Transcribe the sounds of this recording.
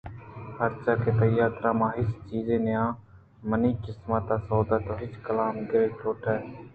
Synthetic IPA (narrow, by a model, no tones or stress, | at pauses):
həɾt͡ʃaːkeːt̪əjaːt̪ɾãːmãːɦɪst͡ʃiːzẽːneːãː | məniːkɪsmaːt̪aːsoːd̪aːt̪oːɦɪt͡ʃkəlaːmɡeːʈʰoːʈʰɛː